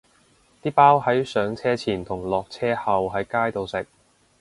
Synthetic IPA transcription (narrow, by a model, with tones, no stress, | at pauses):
t̪iː˥paː˥whɐ˨˥jsœː˨˧˥ŋt͡sʰɛː˥t͡sʰiː˨˩nt̪ʰʊ˨˩ŋlɔː˨k̚t͡sʰɛː˥hɐ˨wɦɐ˨˧jkaː˥jt̪o˨˧wsɪ˨k̚